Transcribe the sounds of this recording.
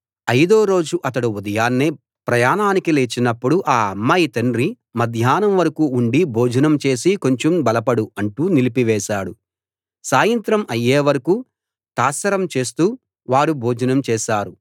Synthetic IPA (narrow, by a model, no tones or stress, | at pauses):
ɐjd̪oːɾo̞ːd͡ʒuʔɐt̪ɐɽuud̪ɐjaːnːe | pɾɐjaːnaːnikileːt͡ʃinɐpːuɽuʔaːɐmːɐjt̪ɐɳɾi | mɐd̪ʱjaːnɐmʋɐɾɐkuːɳɖibʱoːd͡ʒɐnɐmt͡ʃe̞ːsiko̞ɲt͡ʃombɐlɐpɐɽuɐɳʈuːnilipiʋɛːʃaːɽu | saːjɐnt̪ɾɐmɐjːeːʋɐɾɐkuː | t̪aːsɐɾɐmt͡ʃe̞ːst̪uː | ʋaːɾubʱoːd͡ʒɐnɐmt͡ʃɛːʃaːɾu